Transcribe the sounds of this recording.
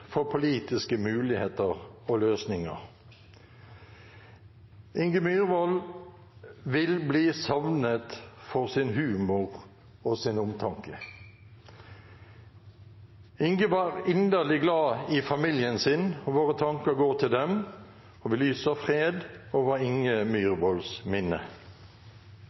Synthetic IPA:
fɔpʰʊliːt̪ɪskəmʉːlɪheːt̪əʁoːløːsnɪŋə̰ʁ | ʔɪŋɡəmyːʁʋɔl | ʋɪlbliːsɑʋnət̪fɔʁsɪnɦʉːmʊʁ | oːsɪnʊmt̪ʰɑŋkə | ɪŋɡəʋɑːʁɪnd̪əʁlɪɡlɑːiːfɑmiːljənsɪnoːʋoːʁət̪ʰɑŋkəʁɡoːʁt̪ʰɪld̪ɛm | oːʋɪlyːsəfʁeːd̪oːʋəʁɪŋəmyːʁʋɔlsmɪnə̰

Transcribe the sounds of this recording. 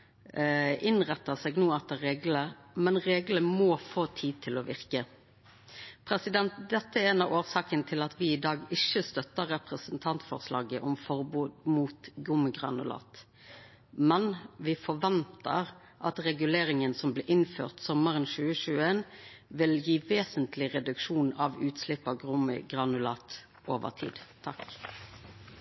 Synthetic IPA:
ɪnʁɛt̪ːəsɛːɡnuːɑt̪̚d̪ɛɾeːɡləmɛnʁeːɡləmɔfoːt̪ʰiːd̪̚t̪ʰɪlɔʋɪʁkə | pʰɾɛsɪd̪ɛnt̪d̪ɛt̪ːəæɛnɑʋʔoːʁsɑːkənət̪ʰɪlɑt̪ʋɪɪd̪ɑːɡɪʃəst̪œt̪ːəɾːɛpʁəsənt̪ʰɑnt̪fɔ̰ʁslɑ̰ːɡəʔɔmfɔʁbuːd̪muːt̪ɡʊməɡʁɑ̰nʊ̰lɑ̰ːt̪ | mɛnʋɪfɔʋɛnt̪ə̰ʁ | ʔɑt̪ʁɛɡʉleːʁɪŋənsɔmblɪːʔɪnfø̰ːʁt̪sɔməʁənʃʉːəʃʉːeːn | ʋɪljiːʋeːsənt̪lɪʁɛd̪ʉkʃuːnɑʋʉːt̪slɪpːɑɡʁʊmə̰ɡʁɑnʉlɑːt̪ | ʔoːʋə̰ʁt̪ʰḭːd̪̥t̪ʰɑk

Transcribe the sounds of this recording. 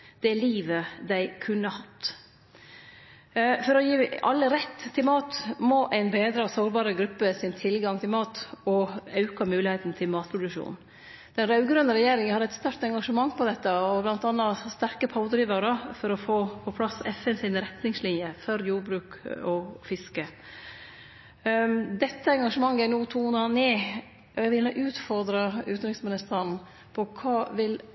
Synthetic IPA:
d̪̥ɛliːʋəd̪æɪkʰʉnːəhɑt̪ː | fɔɾɔjiːɑ̰lːəɾɛt̪ʰːɪlmɑːt̪moːʔæɪnbeːd̪ɾɑsoːɾbɑːɾəɡɾʉpːəsɪnt̪ʰɪlɡɑŋt̪ʰɪlmɑːt̪ɔɑʉkɑmʉːlɪheːt̪n̩t̪ʰɪlmɑːt̪̚pʰɾʊd̪ʉkʂṵːn | d̪̥ɛnɾɑʉɡɾœnəɾɛjeːɾɪŋənhɑɾɛt̪st̪ɑɾk̚t̪ɛŋɡɑʂəmɑŋːpʰɔd̪ɛt̪ːəɔblɑnt̪ɑnːɑst̪æɾkəpʰɑʊd̪ɾiːʋɑɾəfɔɾɔfoːpʰɔpʰlɑsɛfɛnsɪnɾɛt̪nɪŋslɪnjəfɔɾjuːɾbɾʉːkɔfɪskə | d̪ɛt̪ːəɛŋɡɑʂəmɑŋːəænuːt̪ʰuːnɑneː | ʋɪlnoʔʉːt̪fɔɾd̪ɾɑʉ̰ːt̪n̩ɾɪksmɪnɪst̪əɳ | pʰɔkʰɑːʋɪl

